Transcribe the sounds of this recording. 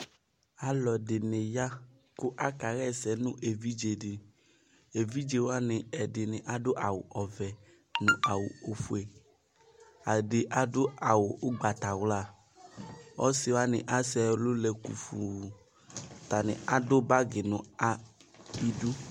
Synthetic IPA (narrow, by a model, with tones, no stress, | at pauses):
a˦lɔ˨dɪ˨nɪ˨ja˦ | kʊ˦ʔa˦ka˨ɣɛ˦sɛ˨nʊ̃˦ʔe˨vi˦d͡ʒe˨dɪ˨ | e˨vi˦d͡ʒe˨wa˦nɪ˨ɛ˨dɪ˨nɪ̃˨ʔa˨˦dʊ˦ʔa˨wʊ˨ʔɔ˨vɛ˨ | nʊ̃˨ʔa˨wʊ˨o˨fu˦e˨ | a˨dɪ˨ʔa˦dʊ˦a˨wʊ˨ʔʊ˦ɡ͡ba˨t̪a˨wla˦˨ | ɔ˦sɪ˨wa˦nɪ̰˨ʔa˦sɛ˨lʊ˦lɛ˨kṵ˨fu˨ | t̪a˨nɪ̰˨ʔa˨dʊ˦ba˦ɡɪ˨nʊ̃˨a˨i˦du˦